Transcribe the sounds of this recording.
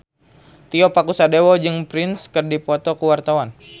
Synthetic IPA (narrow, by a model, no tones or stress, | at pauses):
t̪iɔpakusadewɔd͡ʒɨŋpɾɪnskɨrdipɔt̪ɔkuwart̪awan